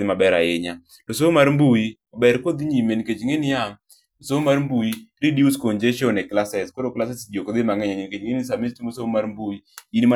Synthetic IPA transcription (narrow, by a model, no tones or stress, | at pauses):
ɪmabɛɾa̰ɪɲa | dosomaɾmbuji | obɛɾkod̪iɲimenked͡ʒŋenijam | dosomarmbujiɾidiuskond͡ʒeʃonɛklasɛskodoklasɛsd͡ʒokod̪ɪmaŋɛɲaɲinked͡ʒŋens̬amistimosomaɾmbuiinima